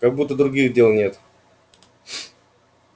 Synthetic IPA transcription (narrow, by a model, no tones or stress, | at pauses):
kɐɡ̚but̪ːəd̪ɾʊɡʲiɣdʲe̞lˠnʲe̞t̪